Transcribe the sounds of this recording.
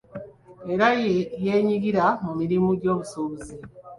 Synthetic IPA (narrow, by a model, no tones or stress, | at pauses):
e̞ɾajejeːɲiɡiɾamumiɾimuɟo̞ːβusoβuzi